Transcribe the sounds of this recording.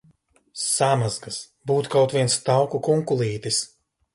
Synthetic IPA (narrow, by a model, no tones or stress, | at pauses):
samazɡas | buːt̪u̥kawt̪vʲiɛnst̪awkukuŋkulˠiːt̪is